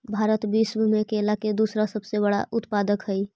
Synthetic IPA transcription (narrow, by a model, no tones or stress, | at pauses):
bʱaːɾət̪bismmekelaked̪usɾasəbsebəɽa̰ʔʊt̪paːd̪əkɦəi